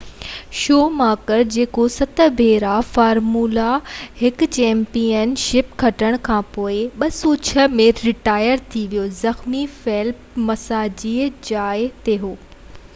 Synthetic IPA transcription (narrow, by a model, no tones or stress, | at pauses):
ʃoːmaːkəɾd͡ʑeːkosɐt̪ʰəbʱeːɾafaːɾmuːlahɪk̆t͡ɕɛ̃ːmpijənʃɪpkʰɐʈəɽ̃kʰãːpoːɪɓɐsuːt͡ɕʰə̆mẽɾɪʈaːjəɾt̪ʰiʋijozɐxmifeːlpmɐsaːd͡ʑiːd͡ʑaːɪt̪eɦoː